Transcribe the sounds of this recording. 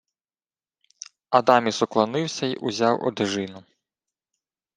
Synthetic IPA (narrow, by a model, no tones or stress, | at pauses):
ɐd̪ɑmʲisɔklˠɔnɪwsʲɐḭʔuzʲɑwʔɔ̰d̪ɪʒɪnʊ